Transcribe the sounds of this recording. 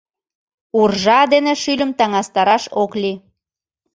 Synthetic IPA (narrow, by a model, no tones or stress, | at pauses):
urʒɑd̪eneʃylʲə̆mt̪ɑŋɑst̪ɑɾɑʃokli